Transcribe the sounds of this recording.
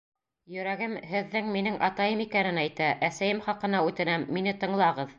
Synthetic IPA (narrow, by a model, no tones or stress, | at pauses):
jɵ̆ɾæɡɘmhɘ̆ðːɘŋminɘŋʔɑ̰t̪ɑjɤmikænɘnæjt̪æʔæsæjɘmχɑqɤ̆nɑʉt̪ɘ̆næmːinɘt̪ɤ̆ɴlˠɑʁɤð